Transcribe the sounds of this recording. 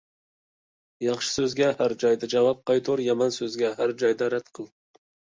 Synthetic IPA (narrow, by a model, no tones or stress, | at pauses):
jɑχʃɪ̥sɵzɡʲɛhæɾd͡ʒɑjd̪ɑd͡ʒɑvɑp̚qʰɑjt̪ʰoɾjɑmɑnsɵzɡʲæɦæɾd͡ʒɑjd̪ɑɾæt̪qʰəlˠ